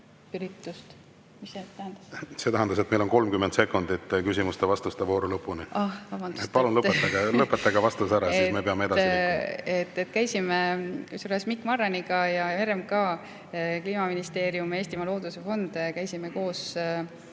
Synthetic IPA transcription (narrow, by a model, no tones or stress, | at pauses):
pyɾit̪ːˑust̪ | miset̪æhnd̪̥ɑsse̞t̪æɦɛnd̪ɑse̞t̪mejlo̞nko̞lmkymːent̪se̞kːˑund̪it̪ːkysimust̪evɑst̪ust̪evo̞ːɾulɤpːˑuniɑhvɑb̥ɑnd̪u̥et̪̚pɑlunlɤpet̪ːɑɡɑlɤpːˑet̪ːɑɡ̥ɑvɑst̪usæɾɑsisme̞peɑmeed̪ɑsiiet̪ːˑet̪kæjsimesulesmikːˑmɑrːɑniɡɑjɑeɾemkɑ | kliːmɑminist̪e̞ːɾjumeːst̪imɑlo̞ːd̪̥use̞fo̞nd̪̥kæjsimeko̞ːs